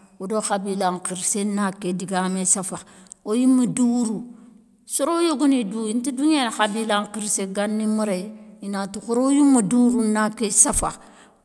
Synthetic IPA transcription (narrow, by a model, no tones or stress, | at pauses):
wudoxabilaŋkiɾsenakːediɡamesafaojimːuduɾu | suɾojoɡoniduintiduɲaxabilaŋkiɾseɡanːimuɾeinatukuɾojumːuduɾunakːesafa̰